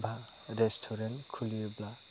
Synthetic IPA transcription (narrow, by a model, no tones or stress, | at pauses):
bʱa | ɾestʰɔɾentkʰulijubla